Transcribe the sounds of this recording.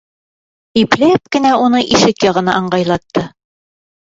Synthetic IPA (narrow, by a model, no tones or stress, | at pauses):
iplæp̚kɘ̆næunɤʔiʃɘkjɒʁɤ̆nɑʔɑɴɢɑjlˠɑt̪ːɤ